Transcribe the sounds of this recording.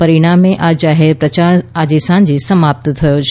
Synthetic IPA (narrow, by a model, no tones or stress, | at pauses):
pəɾiɽ̃ameʔad͡ʒaɦeɾpɾət͡ʃaɾad͡ʒesãɲd͡ʒesəmap̚t̪t̪ʰəjot͡ʃʰ